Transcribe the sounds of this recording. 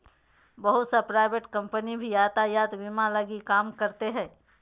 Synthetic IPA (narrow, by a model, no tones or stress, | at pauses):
bəɦʊt̪sapɾaːɪʋeʈkɐ̃mpənibʱijaːt̪ajaːt̪ʋɪmãlɐɡikaːmkɐɾt̪eɦɛ̃ː